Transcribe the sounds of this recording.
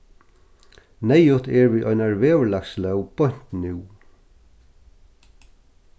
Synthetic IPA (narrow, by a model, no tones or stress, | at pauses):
nɛjʊt̪ɛɹviːʔɔjnaɹveːvəɹlakslœwb̥ɔɲ̥t̪nʉw